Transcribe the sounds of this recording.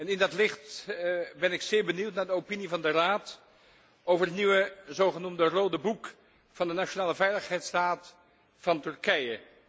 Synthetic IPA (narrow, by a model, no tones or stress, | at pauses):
ɛnɪndɑtlɪχt | bɛnɪksɪːɹbəniwtnaːɹdəowpinivɑndəraːt | owvəɹɦətniʋəzowχənumdərowdəbuk | fɑndənat͡ʃonaːləvɛjləχɦɛjtstaːt | fɑntɵɹkɛjə